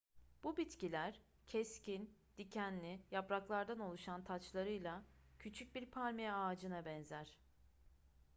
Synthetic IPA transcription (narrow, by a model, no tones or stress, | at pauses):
b̥ubit̪cilʲæɾ̥ | cʰɛscʰind̪̥icʰænlʲijapɾaklˠaɾd̪ano̞lˠuʃant̪ʰat͡ʃlˠaɾɯjlˠacʰyt͡ʃʰyc̚biɾpʰaɾmijɛaːd͡ʒɯnabɛnzæɾ̥